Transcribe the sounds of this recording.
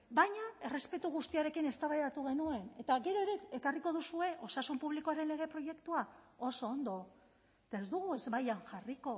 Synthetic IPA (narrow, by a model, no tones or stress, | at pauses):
bajɲae̞re̞spe̞t̪uɣ̞ust̪iaɾe̞kine̞st̪aβajat̪uɣ̞e̞nue̞ne̞t̪aɣe̞ɾo̞eɾeekariko̞ð̞usue̞ʔo̞sasumpuβlikoaɾe̞nle̞ɣe̞pɾo̞je̞kt̪uao̞so̞ːnd̪o̞ | t̪aezd̪uɣ̞ue̞zβajaŋʝariko̞